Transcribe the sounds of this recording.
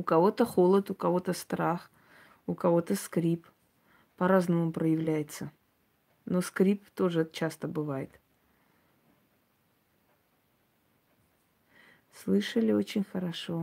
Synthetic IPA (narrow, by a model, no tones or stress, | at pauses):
ʊkɐvo̞t̪əxolˠət̪ʊkɐvo̞t̪əst̪ɾax | ʊkɐvo̞t̪əskɾʲip | pɐɾaznəmʊpɾəjɪvlʲæjɪt̪sə | no̞skɾʲipt̪o̞ʐɨt͡ɕast̪əbɨvajɪt̪ | slˠɨʂəlʲɪo̞t͡ɕɪnʲxəɾɐʂo̞